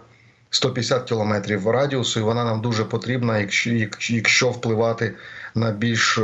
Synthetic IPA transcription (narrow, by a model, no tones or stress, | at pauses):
st̪ɔpʲjd̪esʲat̪̚kʲilˠɔmɛt̪ɾʲiwrɑdʲiɔsʊjʊʋɔnɑnɑmd̪uʒɛpɔt̪ɾʲibnɐɐkjɐkʃt͡ʃɔwplˠɪʋɑt̪ɪnɐbʲilʲʃ